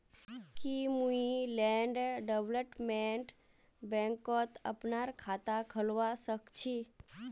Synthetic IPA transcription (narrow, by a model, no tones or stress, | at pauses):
kimuilɛːɳɖɖeʋləpmẽɳʈ | bɛ̃ːŋkɔt̪ə̰pnaɾkʰaːt̪akʰəlʋasəkt͡ʃʰi